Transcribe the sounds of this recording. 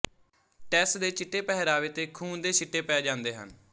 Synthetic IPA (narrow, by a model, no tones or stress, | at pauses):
ʈɛːsʈd̪eːt͡ʃɪʈːeːpɛɦɾaːʋeːt̪eːkʰuːnd̪eːsɪʈːeːpɛeːd͡ʒãːnd̪eːɦə̰n